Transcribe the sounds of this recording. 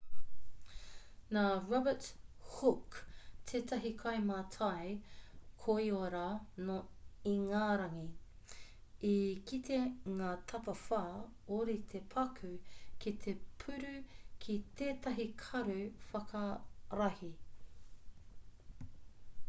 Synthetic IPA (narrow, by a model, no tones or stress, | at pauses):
naːɹɔbəthukt̪ʰeːtɐɦikʰɐjmatʰɐjkʰoioɾanoiŋaːɾɐŋi | ikit̪ʰeŋaːtʰɐpɐfaː | oɾit̪ʰepʰɐkʰʉkʰit̪ʰe̞pʰʉɾʉkʰit̪eːtɐɦikʰɐɾʉfɐkʰɐɾɐhi